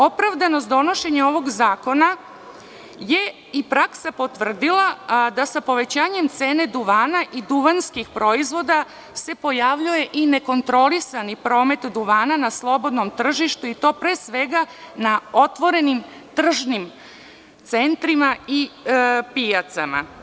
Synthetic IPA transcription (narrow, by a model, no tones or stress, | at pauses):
o̞pɾaʋd̪anosd̪o̞no̞ʃe̞ɲeo̞ʋo̞ɡzaːko̞na | je̞ | ipɾaksapo̞t̪ʋr̩d̪ilˠad̪asapo̞ʋe̞t͡ɕaːɲe̞mt̪seːne̞d̪uʋaːnaʔid̪uʋanskixpɾo̞izʋo̞d̪a | se̞po̞jaʋʎuje̞ʔineko̞nt̪ɾo̞lisanipɾo̞ːme̞t̪d̪uʋaːnanaslˠo̞bo̞d̪no̞mt̪r̩ʒiʃt̪uit̪o̞ːpɾeːsʋe̞ɡanaot̪ʋo̞ɾe̞nim | t̪r̩ʒnim | t̪sent̪ɾimaipijat̪sama̰